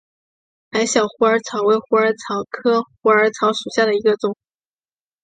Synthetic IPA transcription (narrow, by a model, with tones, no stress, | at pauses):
xa˧˥ɪɕjɑ˨˩ʊxu˧˥ə˞˧˥t͡sʰɑ˧˥ʊwe˧˥ɪxu˧˥ə˞˧˥t͡sʰɑ˧˥ʊkʰɤ˥xu˧˥ə˞˧˥t͡sʰɑ˧˥ʊʂu˨˩ɕja˥˩d̪ə˩i˧˥ɡə˧t͡sʊ˥˩ŋ